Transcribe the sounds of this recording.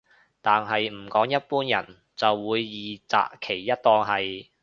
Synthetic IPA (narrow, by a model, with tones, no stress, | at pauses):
t̪aː˨nɦɐ˨jm̩˨˩kɔː˨˥ŋjɐ˥t̚puː˥njɐ̰˨˩n | t͡sɐ˨wːuː˨˧jːiː˨t͡sa̰ː˨kkʰe˨˩jːɐ˥t̚t̪ɔː˧ŋɦɐ˨j